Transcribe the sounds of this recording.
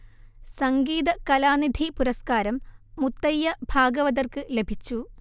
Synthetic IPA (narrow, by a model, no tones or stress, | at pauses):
sɐŋɡiːðɐkɐlaːnid̪ʱipuɾɐskaːɾɐmːut̪ːɐjːɐbʱaːɡɐʋɐðɐrkɨle̞bʱit͡ɕːu